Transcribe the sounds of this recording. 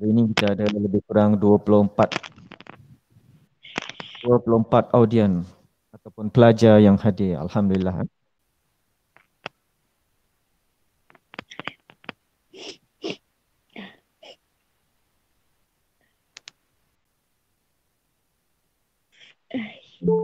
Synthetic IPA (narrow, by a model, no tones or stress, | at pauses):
ɾinĩkit̪aːdalaləbɪhkuɾaŋduapulʊhmpat̪̚ | duapulʊhmpat̪awdiən | at̪awpʊnpəlad͡ʒajaŋhadɪra̰lhamdulilːaɦ